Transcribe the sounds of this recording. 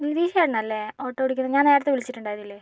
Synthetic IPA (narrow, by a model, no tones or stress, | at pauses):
inːd̪iːɕɐjaːɽɐɳːɐlːeoːʈːoːiɽuk̬ʲːunːɐɲaːneːɽɐt̪ːeʋilit͡ɕːiʈːuɳɖaːjɐðilːeː